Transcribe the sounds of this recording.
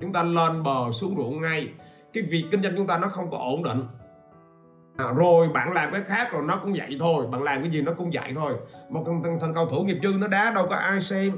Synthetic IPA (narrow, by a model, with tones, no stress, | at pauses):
t͡ɕʊ˨˦ŋ͡mt̪aː˧ləː˧nɓəː˨˩su˨˦əŋzṵ˧˨ənŋa˧j | kaː˨˦jvi˨˩əkːï˧ŋ̟zwa˧jŋ̟t͡ɕʊ˨˦˥ŋ͡mt̪aː˧nɔ˨˦xə˧wŋ͡mkɔ˨˦ʔo˧˩nɗḭ˧˨ŋ̟˨˩ | zo˨˩jɓa̰ː˧˨nlaː˨˩mkaː˨˦jxaː˦˥k̚zo˨˩jnɔ˨˦kʊ̰˧˥ŋ͡mza̰˧˨jt̪ʰo˧jɓa̰ː˧˨nlaː˨˩mkaː˨˦jzi˨˩nɔ˨˦kʊ̰˧˥ŋ͡mza̰˧˨jt̪ʰo˧jmo˨˩˨t̪ŋt̪ʰə˨˩ŋkə˧wt̪ʰu˧˩ŋi˨˩əp̚kɨ˧nɔ˨˦ɗaː˨˦ɗə˧wkɔ˨˦ʔaː˧jsɛ˧m